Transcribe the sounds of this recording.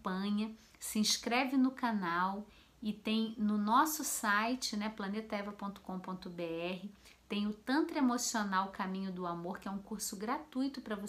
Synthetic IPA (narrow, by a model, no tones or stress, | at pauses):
pɐ̃ɲɐ | sɪĩʃkɾɛvɪnʊkanaw | ɪt̪ẽj̃nʊnɔsʊsajt͡ʃɪnɛplɐnet̪ɐɛvɐpõnt̪ʊ̥kõpõt̪ʊbeɛɦɪ | t̪ẽj̃ʊt̪ɐ̃nt̪ɾemosionawkamĩɲʊd̪ʊamoɾkɪɛũkuɾsʊɡɾat̪ujt̪ʊpɾɐvos